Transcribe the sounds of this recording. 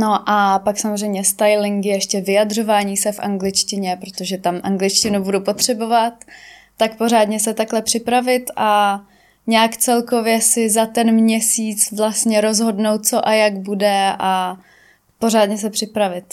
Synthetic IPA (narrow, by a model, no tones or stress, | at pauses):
no̞ʔapaksamozrɛjmɲɛst̪ajlɪŋkjɛɛʃcɛvɪjadr̝o̞vaːɲiːsɛfʔa̰ŋɡlɪt͡ʃcɪɲɛpɾo̞t̪oʒɛt̪amʔaŋɡlɪt͡ʃcɪnubudupo̞t̪r̝̥ɛbo̞vat̪ː | akpo̞r̝aːdɲɛsɛt̪aklɛpr̝̥ɪpɾavɪt̪ʔa | ɲɛakt͡sɛlko̞vjɛsɪzat̪ɛnmɲɛsiːt͡svlastɲɛɾo̞zɦo̞dnowt̪̚t͡so̞ʔajaɡbudɛʔa | po̞r̝aːdɲɛs̬ɛpr̥ɪpɾavɪt̪